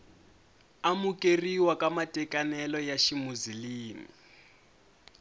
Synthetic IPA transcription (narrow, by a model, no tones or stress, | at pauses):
amukʼeriwakʼamatʼɛkʼanɛlɔjaʃimuziliːmḭ